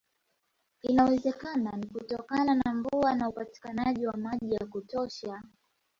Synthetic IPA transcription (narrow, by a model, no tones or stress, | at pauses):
inawɛzɛkananikutɔkananaɱvuanaupati̥kanaʄiwamaʄijakutɔʃa